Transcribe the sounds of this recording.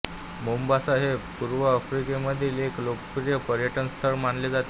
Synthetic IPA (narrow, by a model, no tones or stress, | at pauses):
mumbasaɦebpuɾʋəːfɾikeməd̪ʱiːleklokəpuɾijəpəɾjəʈənst̪ʰəɾmaɳled͡zat̪